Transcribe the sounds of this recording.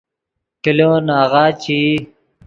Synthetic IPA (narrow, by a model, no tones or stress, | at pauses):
kiloːnaːɣaːt͡ɕi